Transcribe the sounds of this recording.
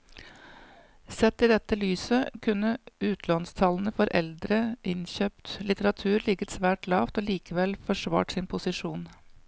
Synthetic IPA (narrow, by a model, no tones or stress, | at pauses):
sɛt̪ːiːd̪ɛt̪ːəlyːsəkʰʉnːəʉːt̪ʰlɔnst̪ʰɑln̩əfɔɾʔɛ̰ld̪ɾəʔɪnçøːpt̪lɪt̪əɾɑt̪ʰʉːɾlɪɡət̪sʋæːʈlɑːʋt̪oːliːkəʋɛlfɔʂʋɑ̰ːʈsɪnpʰʊsɪʂuːn